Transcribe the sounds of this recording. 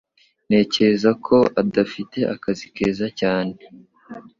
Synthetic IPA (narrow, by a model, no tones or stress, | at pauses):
ne̞ːce̞ɾezakʰo̞adafite̞ʔakazike̞ːzacaːne